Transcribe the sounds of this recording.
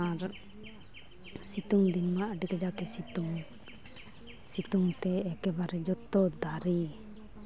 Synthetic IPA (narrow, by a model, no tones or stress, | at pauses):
aɾ | sit̪uŋd̪inmaʔəɖikad͡ʒakɛsit̪uŋ | sit̪uŋt̪ɛːkɛbaɾɛd͡ʒɔt̪ːɔd̪aɾi